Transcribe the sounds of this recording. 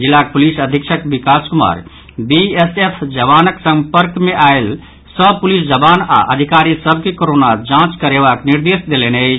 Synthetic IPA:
d͡ʒilːak̚pulisəd̪ʱikʃʰəkbikaskuma̰ɾ | biesepʰd͡ʒəβanəksəmpəɾkmeʔael | səb̚pulisd͡ʒəbana̰ʔəd̪ʱikaɾisəb̚ʱkekoɾonad͡ʒãt͡ʃkəɾeβakniɾd̪esd̪elenəɪt͡ʃʰ

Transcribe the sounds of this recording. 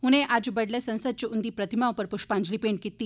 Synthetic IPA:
ɦuñẽʔad͡ʑbəɽlesə̃ñsəd̪̚t͡ɕiund̪iːpɾət̪ʰimaupəɾpuʂpãɲd͡ʑlipeɳʈ̚kit̪ːi

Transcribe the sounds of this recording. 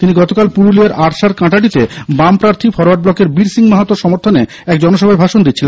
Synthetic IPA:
t̪iniɡɔt̪okalpuɾuliaɾʔaʈʃaɾkãʈaʈ̬it̪ebampɾaɾt̪ʰifɔɾoaʈ̚blɔkeɾbiɾsiŋmaɦat̪oʃɔmoɾt̪ʰone | ɛkd͡ʑɔnoʃɔbʱaebʱaʃond̪itːɕʰilen

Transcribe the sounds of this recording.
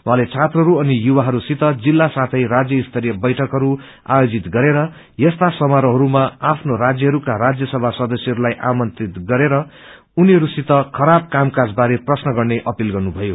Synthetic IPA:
w̃ɦãlet͡sʰat̪rʌɦʌɾuʌnijuwaɦʌɾusit̪ʌd͡zilːasat̪ʰʌjrad͡zjʌist̪ʰʌɾijʌbʌjʈʰʌkɦʌɾu | a̰jod͡zit̪ɡʌɾeɾʌ | jʌst̪asʌmaɾʌɦʌɾumaapʰnorad͡zjʌɦʌɾukaɾad͡zjʌsʌbʱasʌd̪ʌsjʌɦʌɾulajʔamʌnt̪rit̪ɡʌɾeɾʌ | uniɦʌɾusit̪ʌkʰʌɾab̚kamkad͡zbaɾeprʌsnʌɡʌrneʔʌpilɡʌrnubʱʌjo

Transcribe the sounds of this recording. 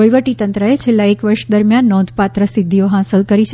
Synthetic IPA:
ojʋəʈit̪ənt̪ɾəet͡ʃʰelːaekʋəɾʃd̪əɾmjanːɔ̃d̪ʱpat̪ɾəsɪd̪ʱːijoɦãsəlkəɾit͡ʃʰ

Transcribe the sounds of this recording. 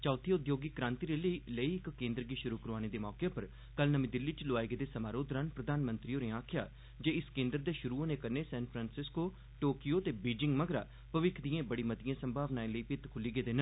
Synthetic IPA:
t͡ʃaːt̪ʰiʊd̪joːɡiːkɾãːnt̪iːɾeːləiːləiːɪkːẽːnd̪ɾəɡiːʃʊɾuːkəɾʋaːñeːd̪eːmɔːkepəɾ | kəlnəmĩːd̪ɪlːit͡ʃloaːeɡeːd̪eːsəmaːɾoːd̪ɾaːnpɾəd̪aːnmə̃nt̪ɾioːneaːkʰɪja̰ː | d͡ʒeːɪskẽːnd̪ɾd̪eːʃʊɾuːoːneːkəɾneːsɛ̃ːnpʰɾãːnsɪskoː | ʈoːkijoːt̪eːbiːd͡ʒɪŋɡməɡɾa̰ː | pəʋɪkʰd̪iẽːbəɽiːmət̪ɪjãːsəmbʱaːʋnaːeləiːpɪt̪kʰʊliːɡeːd̪eːnə

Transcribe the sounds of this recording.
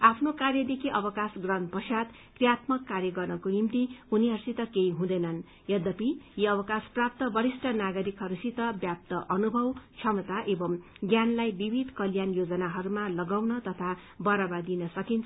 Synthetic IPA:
apʰnokarjʌd̪ekʰiʔʌbʌkasɡrʌnpʌsjat̪ | krijat̪mʌkːarjʌɡʌrnʌkonimt̪ihuniɦʌrsit̪ʌkejɦũd̪ʌjnʌn | jʌd̪ʌpijiʌbʌkasprap̚t̪ʌbʌɾisʈʰʌnaɡʌɾikɦʌɾusit̪ʌbjap̚t̪ʌʔʌnubʱʌwt͡sʰʌmʌt̪aʔebʌm | ɡjanlajbibʱid̪kʌljanjod͡zʌnaɦʌɾumalʌɡawnʌt̪ʌt̪ʰabʌɾʌbad̪inʌsʌkint͡sʰ

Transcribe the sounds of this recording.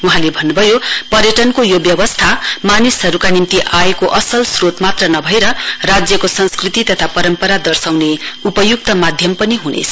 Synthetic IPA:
uɦãlebʱʌnːubʱʌjopʌrjʌʈʌnkojobjʌbʌst̪ʰamanisɦʌɾukanimt̪iʔajekoʔʌsʌlsrot̪mat̪rʌnʌbʱʌeɾʌrad͡zjʌkosʌnskrit̪it̪ʌt̪ʰapʌɾʌmpʌɾad̪ʌrsawneupʌjuk̚t̪ʌmad̪ʱjʌmpʌniɦunḛt͡sʰʌ̥

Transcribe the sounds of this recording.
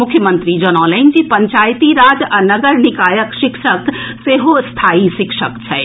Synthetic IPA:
mʊkʰːjəmə̃nt̪ɾid͡ʒonɔːlaɪnd͡ʒiːpɐɲt͡ʃaːjt̪iɾaːd͡ʒɐnɐɡəɾnɪkaːjəkʃɪkʃəkseɦost̪ʰaːiʃɪkʃəkt͡ʃʰɛ

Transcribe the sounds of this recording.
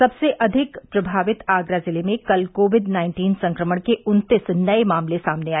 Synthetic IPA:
sɐbseʔɐd̪ʱɪkpɾɐbʱaːʋɪt̪aːɡɾazɪlemẽkɐlkoːʋɪɖnaːɪ̃ɳʈiːnsɐ̃ŋkɾəməɽ̃keʊnt̪ɪsnɐemaːmlesaːmneaːe

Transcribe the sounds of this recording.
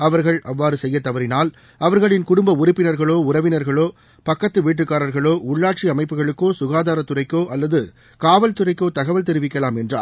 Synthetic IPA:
ɐʋɐɾɣɐɭɐʋːaːɾɯsɛjːɐt̪ːɐʋɐɾɪnaːl | ɐʋɐɾɣɐɭɪnkʊɽʊmbɐʊɾɪpːɪnɐɾɣɐɭoːʊɾɐʋɪnɐɾɣɐɭoː | pɐkːɐt̪ːɯʋiːʈ̬ːɯkːaːɾɐɾɣɐɭoːʊɭːaːʈ̚t͡ʃiɐmɐɪpːɯɣɐɭɯkːoːsʊɣaːðaːɾɐt̪ːʊrɐɪkːoːʔɐlːɐðɯ | kaːʋɐlt̪ʊrɐɪkːoːt̪ɐɣɐʋɐlt̪ɛɾɯʋɪkːɐlaːmɛndra̰ː

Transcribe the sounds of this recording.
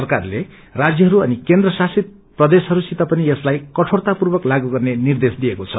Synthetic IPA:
ʌrkarle | rad͡zjʌɦʌɾuʌnikend̪rʌsasit̪̚ | prʌd̪esɦʌɾusit̪apʌnieslajkʌʈʰort̪apurbʌklaɡuɡʌrnenird̪esd̪ijekot͡sʰʌ

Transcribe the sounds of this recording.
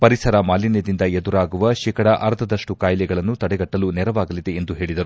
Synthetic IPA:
pɐɾisɐɾɐmaːlined̪ind̪ɐed̪uɾaːɡuʋɐʃiːkɐɽɐʔɐɾt̪ʰɐd̪ɐʂʈukaːjlɛɡɐɭɐnːut̪ɐɽɛɡɐʈːɐlunɛɾɐʋaːɡɐlid̪e̞ːnd̪uɦe̞ːɭid̪ɐɾu

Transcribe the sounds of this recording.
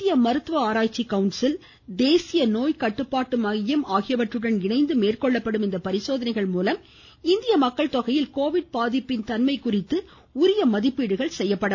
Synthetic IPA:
ɪjɐmɐɾɯt̪ʋɐaːɾaːt͡ʃːikːɐʊnsɪl | d̪eːsɪjɐnoːjkɐʈːɯpːaːʈːɯmɐjɐmaːɣɪjɐʋɐʈrɯɽɐnɪɳɐɪnd̪ɯmeːrkɔɭːɐpːɐɽɯmɪnd̪ɐpɐɾɪsoːðɐnɐɪɣɐɭmuːlɐm | ɪnd̪ɪjɐmɐkːɐɭt̪ɔɣɐjɪlkoːʋɪɽ̚paːðɪpːɪnt̪ɐnmɐɪkʊrɪt̪ːɯ | ʊɾɪjɐmɐðɪpːiːɽɯɣɐɭsɛjːɐpːɐɽɐ

